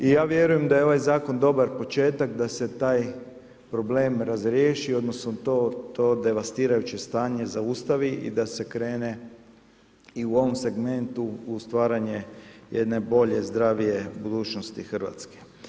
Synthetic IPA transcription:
ijaːʋje̞ɾuje̞md̪ajeo̞ʋajzaːko̞nd̪o̞baɾpo̞t͡ʃe̞ːt̪akd̪ase̞t̪aːj | pɾo̞ble̞ːmɾazɾjeːʃio̞d̪no̞snot̪ot̪oːd̪e̞ʋast̪iːɾajut͡ʃe̞st̪aːɲe̞zaust̪aʋiʔḭd̪ase̞kɾe̞ːne̞ | iuo̞ʋo̞mse̞ɡme̞nt̪uust̪ʋaːɾaɲejed̪ne̞bo̞ʎe̞zd̪ɾaːʋije̞bud̪uːt͡ʃnost̪ixrʋa̰t̪ske̥

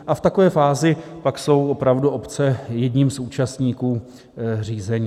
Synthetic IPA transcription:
ʔaft̪ako̞vɛːfaːzɪpakso̞wʔopɾavduʔo̞pt͡sɛjɛdɲiːmsuːt͡ʃast̪ɲiːkuː | r̝iːzɛɲiː

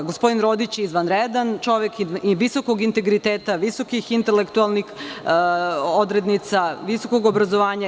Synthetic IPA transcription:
ɡospo̞d̪inɾo̞d̪it͡ɕizʋanɾed̪ant͡ʃo̞ʋjekʋisoko̞ɡint̪e̞ɡɾit̪eːt̪aʋiso̞kixint̪elekt̪ualˠnix | od̪ɾed̪nit̪saʋiso̞koɡobɾazoʋaːɲa

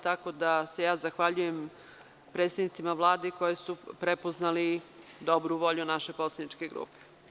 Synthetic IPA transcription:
t̪ako̞d̪ase̞jaːzaxʋaʎujem | pɾet̪st̪ad̪nit̪simaʋlˠaːd̪eko̞jesupɾepoznalid̪o̞bɾuʋo̞ʎunaʃe̞po̞t̪sad̪nit͡ʃke̞ɡɾṵːpe̥

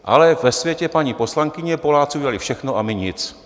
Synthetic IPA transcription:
ʔa̰lɛvɛsvʲjɛcɛpaɲiːpo̞slaŋkɪɲɛpo̞laːt͡siuɟɛalɪfʃɛxnoʔamɪɲɪt͡s

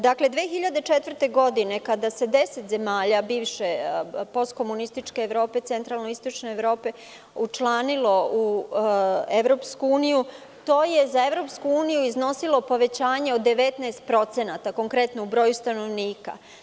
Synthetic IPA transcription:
d̪akle̞d̪ʋeːxiʎad̪et͡ʃet̪ʋr̩t̪e̞ɡo̞d̪ine̞kad̪ase̞d̪e̞se̞t̪ze̞maːʎabiːʋʃe̞po̞st̪̚ko̞munist̪it͡ʃke̞ːʋɾo̞ːpe̞t̪se̞nt̪ɾalnoist̪ot͡ʃne̞ːʋɾo̞ːpe̞ | ut͡ʃlˠaːnilo̞u | eʋɾo̞ːpskuuːniju | t̪o̞ːjezaeʋɾo̞pskuuːnijuizno̞silo̞po̞ʋe̞t͡ɕaːɲe̞od̪e̞ʋet̪naːst̪̚pɾo̞t̪se̞nat̪ako̞ŋkɾe̞t̪noubɾo̞ːjust̪ano̞ʋniːka̰

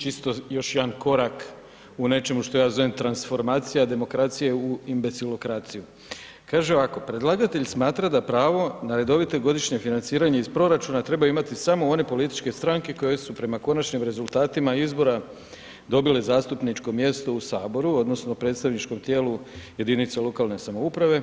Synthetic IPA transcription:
t͡ʃist̪ojo̞ʃjed̪anko̞ɾak | une̞t͡ʃe̞muʃt̪o̞jaːzo̞ʋemt̪ɾansfo̞ɾmaːt̪sijad̪e̞mo̞kɾat̪sije̞uimbe̞silo̞kɾat̪siju | kaːʒeoʋako̞pɾe̞d̪lˠaɡat̪e̞ʎsmaːt̪ɾad̪apɾaːʋo̞naɾe̞d̪o̞ʋit̪e̞ɡo̞d̪iʃɲe̞finant̪siːɾaɲe̞ispɾo̞ɾat͡ʃunat̪ɾe̞bajuimat̪isamo̞o̞ne̞po̞lit̪i̥t͡ʃke̞st̪ɾaŋke̞ko̞je̞supɾe̞mako̞nat͡ʃɲimɾe̞zulˠt̪aːt̪imaizbo̞ɾa | d̪o̞bilezaːst̪upnit͡ʃko̞mje̞st̪o̞usaːbo̞ɾuo̞d̪no̞snopɾe̞ːt̪st̪aʋnit͡ʃko̞mt̪je̞ːluje̞d̪init̪selˠo̞kaːlˠne̞samo̞upɾaʋe̞

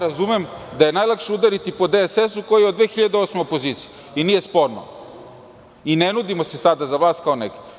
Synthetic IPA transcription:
ɾazumemd̪aje̞najlˠakʃeud̪aɾit̪ipo̞d̪esesuko̞jijed̪ʋeːxiʎad̪eo̞smeopo̞ziːt̪sije | inije̞spo̞ɾno̰ | inenud̪imosesad̪azaʋlˠaːst̪̚kao̞neɡi̥

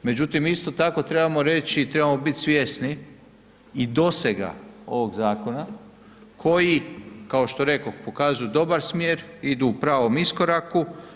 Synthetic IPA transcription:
me̞d͡ʑut̪imist̪o̞t̪ako̞t̪ɾe̞bamo̞ɾe̞t͡ʃiːt̪ɾe̞bamo̞bit̪ʲsʋjesniː | d̪o̞seɡa̰o̞̰ʋo̞ɡzaːko̞na | kʰo̞jikao̞ʃt̪oɾe̞ko̞xpo̞kaːzujud̪o̞baɾsmjeːɾid̪uːpɾaːʋo̞misko̞ɾaku

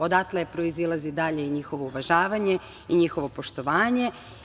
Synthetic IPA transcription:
o̞d̪at̪lˠepɾo̞izilˠazid̪aʎe̞iɲixo̞ʋo̞uʋaʒaːʋaɲe̞ | iɲixo̞ʋo̞po̞ʃt̪o̞ʋaːɲe̞

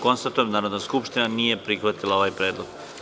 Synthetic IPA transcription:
ko̞nst̪at̪ujemnaːɾo̞d̪naskupʃt̪inaniːje̞pɾixʋat̪ilˠao̞ʋajpɾeːd̪loɡ̥

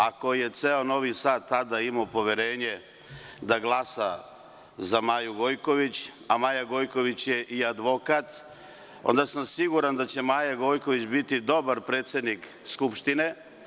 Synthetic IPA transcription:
ako̞je̞t̪seono̞ʋisaːt̪ːad̪aimopo̞ʋjeɾeːɲe̞ | d̪aɡlˠasa | zamaːjuɡo̞jko̞ʋit͡ɕ | amaːjaɡo̞jko̞ʋit͡ɕje̞ʔiad̪ʋo̞kat̪ | o̰nd̪asamsiɡuɾand̪at͡ɕe̞maːjaɡo̞jko̞ʋit͡ɕbit̪id̪o̞baɾpɾe̞ːt̪sʲje̞d̪nik | skupʃt̪ine̞

